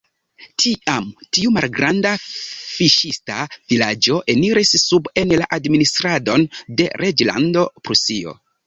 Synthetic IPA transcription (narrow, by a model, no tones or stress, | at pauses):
tʰiʔamtiumalɡɾandafiʃistavilad͡ʒo̞ʔe̞niɾisːube̞nlaʔadministɾado̞nde̞̰ɾʔed͡ʒla̰ndo̞pɾusio̰